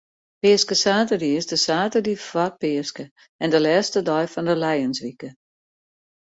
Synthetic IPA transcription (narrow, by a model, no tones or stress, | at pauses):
pɪəskəsaːtədiɪsdəsaːtədifɔr̚pɪəskə | ɛndəlɛːstədɔjfɔndəlɛjənsʋikə